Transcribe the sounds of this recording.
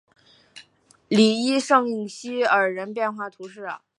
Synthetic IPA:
li˨˩i˥ʂɤ˥˧ŋi˥˩ŋɕi˥ə˞˨˩ɻə˧˥npjɛ˥˧nxwa˥˩t̪ʰu˧˥ʂɻ̩˥˩ɐ̰˨˩

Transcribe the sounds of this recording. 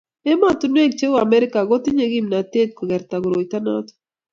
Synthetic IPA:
e˦ma˦t̪ʊ˨nwe˦kt͡ʃe˦wa˨mɛ˦ɾɪ˦ka˨ɡo˦t̪i˦ɲe˨ɡi˦mna˨t̪e˦t̪̚ko˨ɡɛ˨ɾt̪a˨ɡʊ˨ɾo˨it̪a˦na̰t̪o̥

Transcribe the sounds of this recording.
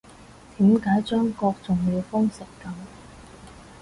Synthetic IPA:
t̪iː˨˥mkaː˨˥jt͡ʃœː˥ŋkɔː˧k̚t͡sʊ˨ŋjiː˨˧wfʊ˥ŋsɪ˨˩kːɐ˨˧˦m

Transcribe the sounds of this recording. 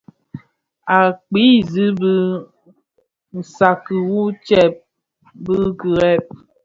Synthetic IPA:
a˨k͡pi˨˦zɨ˦bə˦ | n̩˨sa˨kɨ˨wu˦t͡ʃɛ˦˨p̚ | bə˦kɨ˨ɾɛ˦˨p̚

